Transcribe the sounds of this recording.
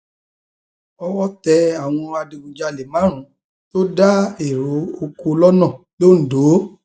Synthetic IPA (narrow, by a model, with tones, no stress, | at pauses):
ɔ˧wɔ˦tɛ˧a˨w̃ɔ̃˧a˧de˧bũ˧d͡ʒa˧le˨mã˨˦ɾ̃ũ˨˦ | to˦da˦e˨ɾo˨˦o˧ku˧lɔ˦nɔ̃˦˨ | lo˦˨n̩˨do˨˦